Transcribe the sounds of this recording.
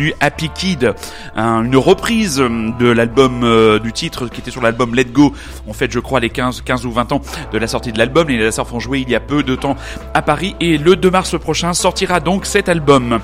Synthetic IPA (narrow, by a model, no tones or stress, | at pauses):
nyʔapikʲid̪ | ɛ̃ynʁəpχizd̪əlalbɔmød̪yt̪it̪χəkʲiet̪ɛsyʁlalbɔmlɛd̪̚ɡo | ɑ̃fɛt̪ʒəkχwalekɛ̃zkʲɛ̃zuvɛ̃t̪ɑ̃d̪̥əlasɔʁt̪id̪əlalbɔmelezasaʁfɔ̃ʒweiljapød̪ət̪ɑ̃ | apaʁiʔeləd̪ømaʁspχɔʃɛ̃sɔʁt̪iʁad̪ɔ̃ksɛt̪albɔm